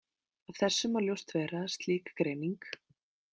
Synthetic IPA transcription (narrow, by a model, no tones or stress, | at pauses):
avθɛsːʏmaɾljowst̪vɛːɾast̪liːkḁkɾeːjniŋk